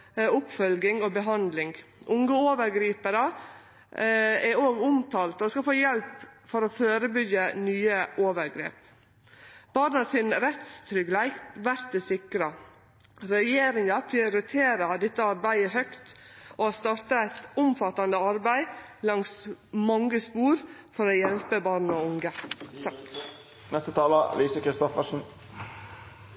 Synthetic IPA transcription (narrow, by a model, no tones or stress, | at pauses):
ʊpfœlɡɪŋobəɦɑnd̪lɪŋɡʔʊŋɡəoːʋəɾɡɾiːpəɾə | ɛɾoːɡʊmt̪ʰɑːlt̪oskɑfoːjɛlpfɔɾoføːɾəbʏɡənyːəʔoːʋəɾɡɾḛːp | b̥ɑɾnɑsɪnɾɛt̪st̪ʰɾʏɡlæɪkʋæɾt̪̚d̪ɛsɪkɾə | ɾɛjeːɾɪŋɑpʰɾɪʊɾɪt̪ʰeːɾɑd̪ɛt̪ːəɑɾbæɪəɦœkt̪ʔoːst̪ɑɾt̪əæɪt̪ʊmfɑt̪ːɑnd̪əɑɾbæɪ | lɑŋsmɑŋɡəspuːɾfɔɾoːjɛlpəbɑːɾnoːʊŋə | nɛst̪ət̪ʰɑːlə̰liːsəkʰɾɪst̪ɔfəʂn̩